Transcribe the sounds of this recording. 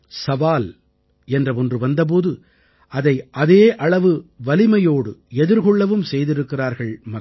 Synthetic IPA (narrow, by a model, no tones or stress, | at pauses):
sɐʋaːl | ɛndrɐɔndrɯʋɐnd̪ɐp̬oːðɯ | ʔɐðɐɪʔɐðeːʔɐɭɐʋɯʋɐlɪmɐjoːɽɯɛðɪɾɣɔɭːɐʋɯmsɛjðɪɾɯkːɪraːɾɣɐɭmɐ